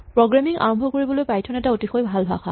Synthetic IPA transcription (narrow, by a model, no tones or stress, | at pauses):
pɹɔɡɹamiŋʔa̰ɹɔmbʱɔkoɹibɔlojpajtʰɔnɛtaotixojbʱalbʱa̰xa̰